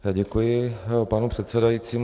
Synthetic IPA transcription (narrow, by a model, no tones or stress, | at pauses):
aɟɛkujɪpanupr̥ɛt̪sɛdajit͡siːm